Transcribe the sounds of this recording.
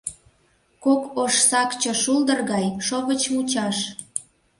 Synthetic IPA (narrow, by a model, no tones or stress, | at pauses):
kokoʃsɑkt͡ɕə̆ʃuld̪ərɣɑjʃoβət͡ɕmut͡ɕɑʃ